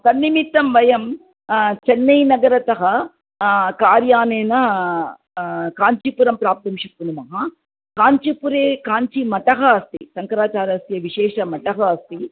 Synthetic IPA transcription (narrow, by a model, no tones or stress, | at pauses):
sɐnːimit̪ːɐmʋɐjɐm | t͡ʃɛnːɐjnɐɡɐɾɐt̪ɐɦɐ | kaːɾjaːneːnɐ | kaːɲt͡ʃipuɾɐmpɾaːp̚t̪ɐmʂɐkːunumɐɦɐ | kaːɲt͡ʃipuɾeːkaːɲt͡ʃimɐʈɐɦɐːst̪ḭsɐŋkɐɾaːt͡ʃaːɾɐst̪ijɐʋiʂɛːʂɐmɐʈɐɦɐːst̪i